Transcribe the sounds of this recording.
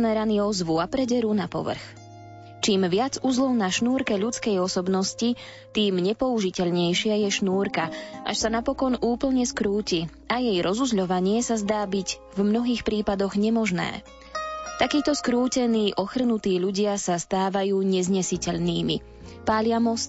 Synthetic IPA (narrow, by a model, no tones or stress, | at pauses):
mɛɾaniːɔzʋuapɾɛɟɛɾunapɔ̰ʋr̩x | t͡ʃiːmʋɪad͡zuzlˠɔʊnaʃnuːɾkɛʎut͡skɛjɔsɔbnɔsci | t̪iːmɲɛpɔuʒicɛʎɲɛjʃɪajɛʃnuːɾkaʔa̰ʃsanapɔkɔnuːpl̩ɲɛskɾuːci | ajɛjɾʔɔzuzʎɔʋaɲɪɛsazd̪aːbiɟ | vmnɔɦiːxpɾiːpad̪ɔɣɲɛmɔʒnɛ̰ː | t̪akiːt̪ɔskɾuːcɛniːʔɔxr̩nut̪iːʎuɟɪasast̪aːʋajuːɲɛzɲɛsicɛʎniːmḭ | paːʎɪamɔst̪